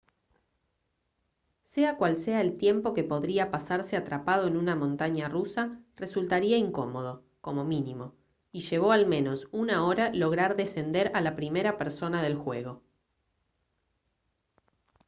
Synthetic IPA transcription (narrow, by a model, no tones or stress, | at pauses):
seakwalseaelt̪je̞mpo̞ke̞po̞ðɾiapasaɾseat̪ɾapað̞o̞enunamõ̞nt̪aɲarusaresult̪aɾiaiŋko̞mo̞ð̞o̞ | ko̞mo̞minimo̞ | iʃe̞βo̞almẽ̞no̞sunao̞ɾalo̞ɣ̞ɾaɾðe̞se̞nd̪eɾalapɾime̞ɾapeɾso̞naðe̞lxwe̞ɣo̞